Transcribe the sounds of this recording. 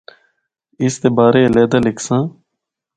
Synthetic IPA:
ɪst̪ebaːɾeːleːd̪əlɪksãː

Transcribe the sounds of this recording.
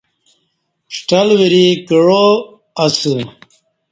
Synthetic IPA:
ʂʈɐlwiɾikiɻo | ɐsɨ

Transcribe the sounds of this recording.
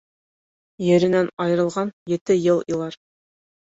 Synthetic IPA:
jɘ̆ɾɘ̆nænɑjɤ̆ɾɤ̆lˠʁɑnjɘ̆t̪ɘjɤlˠilˠɑɾ

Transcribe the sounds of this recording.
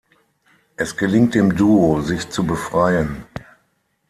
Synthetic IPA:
ʔɛsɡ̥əlɪŋt̚d̥eːmduːozɪçt͡subəfʁ̥aɪən

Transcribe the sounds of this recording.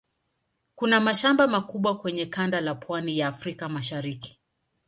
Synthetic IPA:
kunamaʃambamakuɓwakwɛɲɛkandalapwanijaːfɾikamaʃaɾiki̥

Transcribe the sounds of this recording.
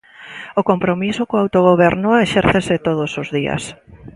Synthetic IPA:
okompɾomisokoawt̪oɣ̞oβ̞ɛɾnʊeʃɛɾθeset̪oð̞osozðiɐ̰s

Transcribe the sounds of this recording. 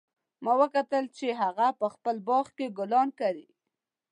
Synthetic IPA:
mɑwəkat̪əlt͡ʃeɦaɣapəxpəlbɑɣkeɡʊlɑnkaɾi

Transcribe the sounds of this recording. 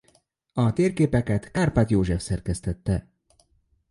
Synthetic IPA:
ɒt̪eːrkeːpɛkɛt̪kaːrpat̪joːʒɛfsɛrkɛst̪ɛt̪ːɛ

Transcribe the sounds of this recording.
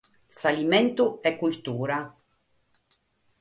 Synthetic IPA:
salimɛnt̪uɛkːult̪uːɾa

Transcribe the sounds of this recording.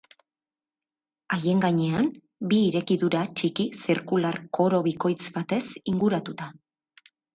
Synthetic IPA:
aje̞ŋɡaɲe̞am | biːɾe̞kiðuɾat͡ʃikisiɾkularko̞ɾo̞βiko̞jt͡sbat̪e̞siŋɡuɾat̪ut̪a

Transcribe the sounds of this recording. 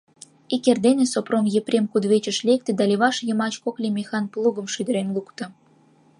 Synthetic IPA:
ikerd̪enʲĕsopromjeprʲemkud̪βet͡ɕə̆ʃlek̚t̪ĕd̪ɑlʲeβɑʃjə̆mɑt͡ɕkoklʲemʲexɑnplˠuɣə̆mʃyd̪ə̆ɾenlukt̪ɤ̆

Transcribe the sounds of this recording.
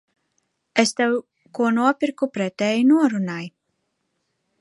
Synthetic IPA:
est̪ɛw | kuɔnuɔpʲiɾkupɾɛt̪ɛːjnuɔɾunaj

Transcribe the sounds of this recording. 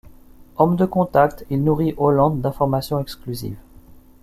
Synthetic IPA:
ɔmd̪əkɔ̃t̪ak̚t̪ilnuʁiʔolɑ̃d̪ːɛ̃fɔʁmasjɔ̃ɛksklyzḭv

